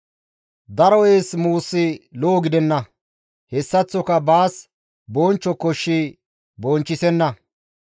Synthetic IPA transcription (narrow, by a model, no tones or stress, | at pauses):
d̪ɐɾɔʔeːsmuːsːɪloːɡɪd̪ɛnːɐ | hɛsːɐt͡sːɔkɐbaːs | boːnt͡ʃːɔkɔʃːi | bɔːnt͡ʃːɪsɛnːɐ